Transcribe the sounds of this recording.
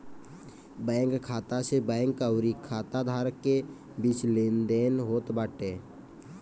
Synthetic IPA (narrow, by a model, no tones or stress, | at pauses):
bɛ̃ːŋkkʰːaːt̪asebɛ̃ːŋkːaʊɾikʰːaːt̪ad̪ʱaːɾəkːe | biːt͡ʃlẽːnd̪eːnɦoːt̪baːʈeː